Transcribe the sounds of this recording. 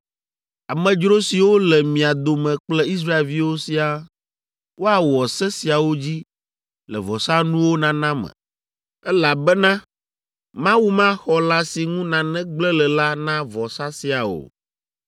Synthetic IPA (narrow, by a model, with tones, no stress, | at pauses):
a˨mɛ̃˨d͡ʒɾo˦si˨wo˦lɛ˨mĩ˨a˨d̪o˨mɛ̃˨k͡plɛ˦i˦s̬ɾa˦e˨lvi˦wo˦si˦a˨ | wo˦a˨wɔ˨sɛ˦si˨a˨wo˦d͡ʑi˦ | lɛ̰˨vɔ˨sa˦nũ˦wo˦nã˦nã˦mɛ̰̃˨ | ɛ˦la˨bɛ˦nã˦ | mã˦wu˦mã˦xɔ˨la˦si˨ŋũ˦nã˨nɛ̃˦ɡ͡blɛ˦lɛ˨la˦nã˦vɔ˨sa˦si˨a˨o̰˨